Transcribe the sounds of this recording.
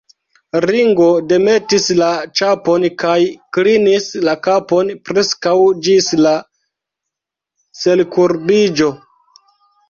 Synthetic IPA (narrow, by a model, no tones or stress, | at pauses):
ɾiŋɡo̞de̞me̞tislat͡ʃapo̞nkajklinislakapo̞npɾe̞skawd͡ʒisla | se̞lkuɾbid͡ʒo̞